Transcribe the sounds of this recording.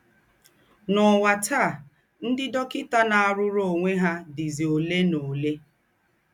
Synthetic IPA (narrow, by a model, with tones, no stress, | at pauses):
nɔ˨wa˨ta˦˨ | n̩˦dɪ˦dɔ˦kɪ˦ta˦na˨a˨ɾʊ˦ɾo˨ŋʷe˦ɦa˦dɪ˨zi˨o˨le˦no˨le˦